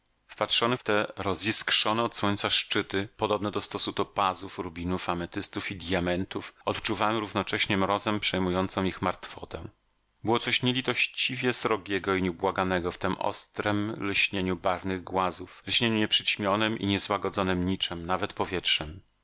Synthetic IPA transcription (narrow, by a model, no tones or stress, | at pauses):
fpatʂɔnɛft̪ɛɾɔziskʂɔnɛɔt̪swɔɲt̪saʂt͡ʂɘt̪ɘpɔd̪ɔbnɛd̪ɔst̪ɔsut̪ɔpazufɾubʲinufamɛt̪ɘst̪ufid̪ʲjamɛnt̪ufɔt̪t͡ʂuvawɛmɾuvnɔt͡ʂɛɕɲɛmɾɔzɛmpʂɛjmujɔnt̪sɔ̃w̃ixmaɾt̪fɔt̪ɛ̰̃ | bɘwɔt̪sɔɕɲɛlʲit̪ɔɕt͡ɕivʲjɛsɾɔɡʲɛɡɔiɲɛubwaɡanɛɡɔft̪ɛmʔɔ̰st̪ɾɛmlɕɲeɲubaɾnɘɣɡwazuflɕɲeɲuɲɛpʂɘt͡ɕmʲjɔnɘmʔḭɲɛzwaɡɔd̪zɔnɘmɲit͡ʂɛmnavɛt̪pɔvʲjɛtʂɛm